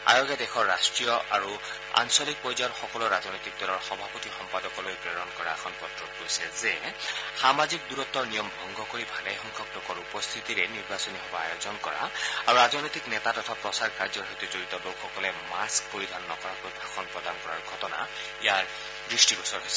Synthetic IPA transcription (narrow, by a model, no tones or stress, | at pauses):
a̰joɡjadɛxʰɔɹːastɹijɔa̰ɹu | a̰nsɔlik̚pɔjzaɹxɔkɔlɔɹazɔnojt̪ik̚dɔlɔɹxɔbʱapotixɔmpadɔkɔlojpɹɛɹɔnkɔɹaɛkʰɔnpɔtɹɔt̚koisɛzɛxamazik̚duɹɔt̪ːɔɹnijɔmbʱɔŋɡɔkoɹibʱalɛjxɔŋkʰɔklokɔɹupɔst̪ʰitiɹɛniɹbasɔniɦɔbɔa̰jozɔnkɔɹa̰aɹuɹazɔnojt̪iknɛtatɔtʰapɹɔsaɹkaɹzɔɹɦojtuzoɹitɔbowxɔkɔlɛmask̚poɹidʱanːɔkɔɹakojbʱaxʰɔnpɹɔdankɔɹaɹɡʱɔtɔna̰ | ijaɹ | bɹistiɹusɔɹɦojsɛ